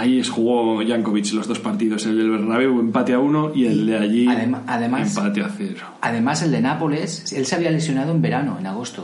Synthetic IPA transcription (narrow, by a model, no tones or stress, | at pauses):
ajiesxuɣ̞o̞ʝaŋkoβit͡ʃlo̞zðo̞spaɾt̪iðo̞seld̪elβeɾnaβewe̞mpat̪eauno̞ield̪eaʎiðeaðemaemspat̪eaθeɾoaðe̞mase̞ld̪e̞napolese̞lseaβiale̞sjo̞nað̞oembe̞ɾanoenaɣ̞o̞st̪o